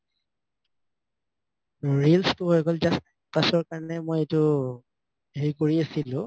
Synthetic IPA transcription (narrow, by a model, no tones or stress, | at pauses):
ɹilstʊɦojɡɔlzasta | pasɔɹkaɹɔnɛmojetʊ | ɦeikoɹiasilʊ̃